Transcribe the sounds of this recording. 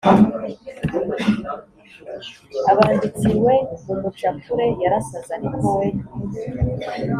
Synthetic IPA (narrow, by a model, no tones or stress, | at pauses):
aβandit͡siɾwe̞umut͡ʃafuɾe̞jaɾasazaniɾɡowe